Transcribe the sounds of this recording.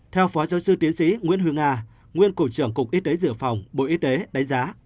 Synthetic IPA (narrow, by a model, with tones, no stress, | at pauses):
t̪ʰɛ˧wfɔ˨˦zaː˨˦wsɨ˧t̪i˨˦ənsḭ˧˥ŋwi˧˥ənɦi˧əŋaː˧ | ŋwi˧ənko˧˩t͡ɕɨ˧˩əŋkʊ˨˩k͡p̚ʔi˨˦˥t̪e˨˦zɨ̰˧˨əfa˨˩wŋ͡mɓo̰˧˨ʔi˦˥t̪e˨˦ɗa˨˦ŋ̟zaː˨˦